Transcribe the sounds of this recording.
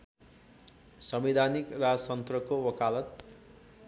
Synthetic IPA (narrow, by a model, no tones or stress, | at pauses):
sʌmid̪ʱanikrad͡zt̪ʌnt̪rʌkowʌkalʌt̪